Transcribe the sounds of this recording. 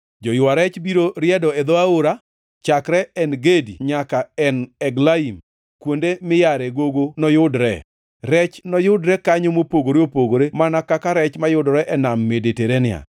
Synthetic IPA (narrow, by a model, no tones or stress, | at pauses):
d͡ʒɔjʊwaɾɛt͡ʃbiɾoɾɪjɛdɔɛd̪oaoɾa | t͡ʃakɾɛɛnɡedḭɲakaɛnɛɡlaim | kwondemɪjaɾɛɡoɡonɔjʊdɾɛ̰ | ɾɛt͡ʃnɔjʊdɾɛkaɲomopoɡoɾeopoɡoɾemanakakaɾɛt͡ʃmajʊdɔɾɛʔɛnamːedeteɾenɪa̰